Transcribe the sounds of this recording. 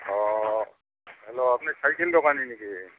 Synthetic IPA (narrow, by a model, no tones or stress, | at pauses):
ɔ | ɦɛloapnisajkeldɔkaniniki